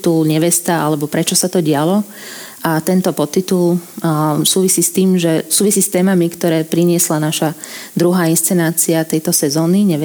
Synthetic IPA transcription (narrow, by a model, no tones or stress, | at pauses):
t̪ulɲɛʋɛst̪aalɛbɔpɾɛt͡ʃɔsat̪ɔɟɪalɔ | ʔat̪ɛnt̪ɔpɔt̪ːit̪ul | suːʋisiːst̪iːmʒɛsuːʋisiːst̪ɛːmamikt̪ɔɾɛːpɾiɲɪɛslanaʃad̪ɾuɦaːinst͡sɛnaːt͡siat̪ɛjt̪ɔsɛzɔːniɲɛʋɛ